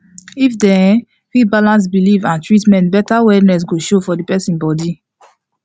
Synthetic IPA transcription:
ifdɛ̃ | fibalãns̬bilivãntɹitmɛ̃ntbɛtawɛdnɛs̬ɡoʃofɔdipɛsĩnbɔdi

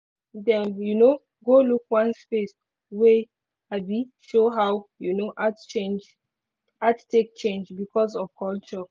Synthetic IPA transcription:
dɛ̃njuno | ɡolukwãnspes | wɛ | aɪbiʃoɦawjunoʔatt͡ʃend͡ʒ | attek̚t͡ʃẽnd͡ʒbikʰɔsɔv̥kɔlt͡ʃɔ

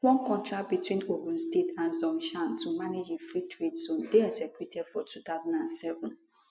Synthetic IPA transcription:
wɔ̃nkʰɔ̃ntɹat̚bitwĩnopə̃n̩stetãnzɔ̃nʃãntʰumaned͡ʒefɹitʰɹedzõndeɛɡzɛkjutʰɛdfɔtʰut̪aʊzãndãnsɛvə̃n

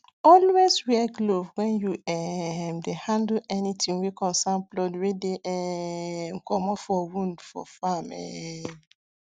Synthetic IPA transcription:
ɔlwezwɛɡlovwɛ̃njuɛmdehãndɛnitʰĩŋwikɔ̃sãmplɔdwedeʔɛŋ̩kɔmɔfɔwũndfɔ̰famɛ̰

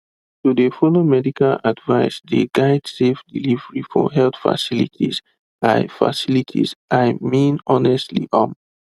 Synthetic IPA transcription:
tudefɔlomɛdikaladvaɪsdḛɡaɪdsefdilivəɹifɔ̰ɦɛltfa̰silḭtʰiz̥ | aɪfa̰silitʰḭzʔaɪmĩnɔnɛstlḭʔɔm

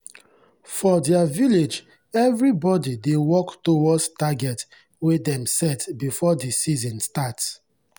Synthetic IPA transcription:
fɔdɛaviled͡ʒ | ɛvɹibɔdidewɔktowɔdstaɡɛt | wedɛ̃msɛtbifɔdisizɔ̃nstats

